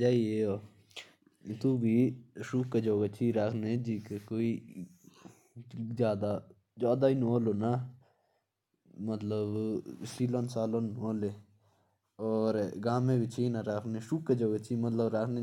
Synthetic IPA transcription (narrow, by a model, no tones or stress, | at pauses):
d͡ʒaːieo | t̪ubʱiʃuːkːed͡ʒoːɡat͡ʃʰiɾaːkʰned͡ʒiːkekoːi | d͡ʒjaːd̪a | d͡ʒaːd̪ainoːlona | mət̪ləbsiːloːnsaːlonoːle | ɔːɾɡaːmẽbʱit͡ʃʰinaɾaːkʰneʃuːkːed͡ʒoːɡət͡ʃʰimət̪ləbɾaːkʰne